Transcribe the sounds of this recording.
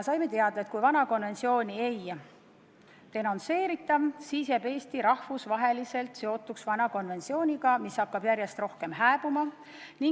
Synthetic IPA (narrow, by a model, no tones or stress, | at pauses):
sɑjme̞t̪e̞ɑd̪̥ɑet̪̚kujvɑnɑko̞nve̞nt̪sio̞ːnʲiej | t̪e̞nont̪se̞ːɾit̪ːˑɑsise̞pe̞ːst̪iɾɑhvusvɑɦe̞lise̞lt̪se̞o̞t̪ːˑuksvɑnɑko̞nve̞nt̪sio̞ːnʲiɡɑmisːɑkːɑb̥jæɾje̞st̪ro̞hkemɦæːb̥umɑ | niŋ